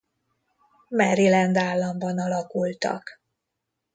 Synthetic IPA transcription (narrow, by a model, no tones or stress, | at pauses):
mɛɾilɛnd̪aːlːɒmbɒnɒlɒkult̪ɒ̰k